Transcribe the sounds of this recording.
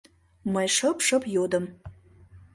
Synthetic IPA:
məjʃəpʃə̆pjod̪ə̆m

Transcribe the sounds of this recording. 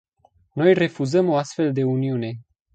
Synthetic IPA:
no̞jre̞fuzəmo̞ast̪fe̞ld̪e̞uniune̞

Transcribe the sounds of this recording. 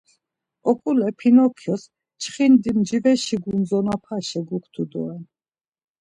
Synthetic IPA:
ɔkʼulɛpʰinɔkʰjɔs | t͡ʃʰχind̪imd͡ʒivɛʃiɡunzɔnapʰaʃɛɡukʰt̪ʰud̪ɔ̰ɛn

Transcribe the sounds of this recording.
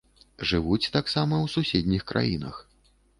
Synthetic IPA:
ʐɨvut͡sʲt̪aksamɐwsusʲed̪ʲnʲixkɾʔa̰jḭnɐ̰x

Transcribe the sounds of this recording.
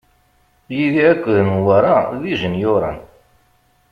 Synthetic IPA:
jiðiækʷːəðnwaɾˤaðiʒənjʊɾˤɑ̰n

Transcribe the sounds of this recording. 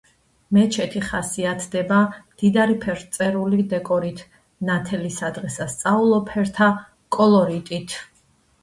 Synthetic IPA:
mɛt͡ʃʰɛt̪ʰiχasiat̪ʰd̪ɛbamd̪̥id̪aɾipʰɛɾt̪sʼɛɾulid̪ɛkʼɔɾit̪ʰ | nat̪ʰɛlisad̪ʁɛsast̪sʼaulˠɔpʰɛɾt̪ʰa | kʼɔlˠɔɾit̪ʼit̪ʰ

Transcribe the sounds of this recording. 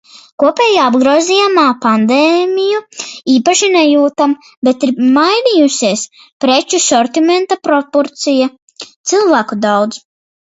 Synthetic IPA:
kuɔpɛːjaːabɡɾuɔzijamaːpand̪eːmʲijuiːpaʃinɛjuːt̪am | bet̪iɾmajnijusiɛəs | pɾet͡ʃusɔɾt̪imɛnt̪apɾɔpɔɾt̪sija | t̪silˠvæːkud̪awd̪z

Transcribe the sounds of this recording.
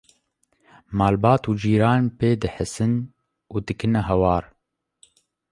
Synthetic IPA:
maːlbɑːt̪uːd͡ʒiːɾaːnpeːd̪ɨħəsɨn | uːd̪ɨkɨnɛɦɛwɑːɾ

